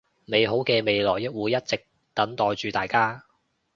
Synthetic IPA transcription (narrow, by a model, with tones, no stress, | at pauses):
me˨˧jɦo˨˥wkɛː˧me˨˧jlɔː˨˩jːɪ˥k̚wuː˨˧jːɐ˥t̚t͡sɪ˨k̚ | t̪ɐ˨˥nt̪ɔː˨˧jt͡ʃyː˨˧t̪aː˨jkaː˥